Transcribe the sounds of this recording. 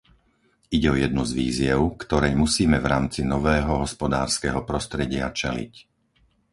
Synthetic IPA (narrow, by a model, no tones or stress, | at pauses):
iɟɛɔjɛd̪̚nuzʋḭːzɪɛʊkt̪ɔɾɛjmusiːmɛvɾaːmt͡sinɔʋɛːɦɔɦɔspɔd̪aːɾskɛːɦɔpɾɔst̪ɾɛɟɪat͡ʃɛlḭc